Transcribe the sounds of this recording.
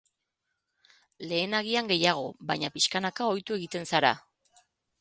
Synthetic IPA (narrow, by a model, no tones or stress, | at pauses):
le̞ːnaɣ̞iaŋɡe̞jaɣ̞o̞̰βajɲapiskanakao̞jt̪ue̞ɣit̪e̞nsaɾa̰